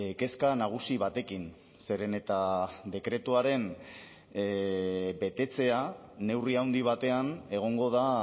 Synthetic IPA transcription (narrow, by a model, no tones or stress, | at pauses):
ke̞skanaɣ̞usiβat̪e̞kin | se̞ɾe̞ne̞t̪ad̪e̞kɾe̞t̪uaɾe̞n | be̞t̪e̞t͡se̞a | ne̞wriawnd̪iβ̞at̪e̞ane̞ɣ̞o̞ŋɡo̞ð̞a